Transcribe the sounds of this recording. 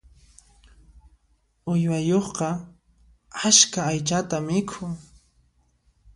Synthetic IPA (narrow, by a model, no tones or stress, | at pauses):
ʊjwajoχqɑ | askaːjt͡ʃat̪amɪkʰʊŋ